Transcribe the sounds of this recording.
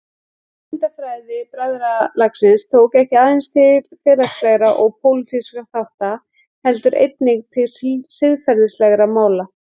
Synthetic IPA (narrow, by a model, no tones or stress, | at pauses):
ɪnt̪afɾajðɪpɾaðɾalaksɪnst̪ʰoːwkɛhcɪaːðɪnst̪ʰɪfɪːðlakslɛɣɾaʔɔɣpʰowlɪt̪ʰiskaθawht̪a | hɛlt̪ʏɾʔḛjt̪nɪŋt̪ʰɪlsɪðfɛɾðɪslɛɣɾamaːwla